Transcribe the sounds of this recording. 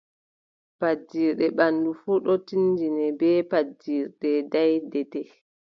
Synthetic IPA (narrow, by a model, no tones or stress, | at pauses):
pad͡ʒːiɾɗɛɓandufuɗɔtind͡ʒinɛbɛpad͡ʒiɾɗɛdajdɛtɛ